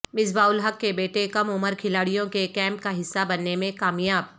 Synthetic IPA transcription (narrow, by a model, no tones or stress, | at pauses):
mɪzbaːʊlɦɐkːebeːʈekɐmʊməɾkʰɪlaːɽijõkekɛ̃ːmpkaɦɪsːabɐnːemẽkaːmjaːb̚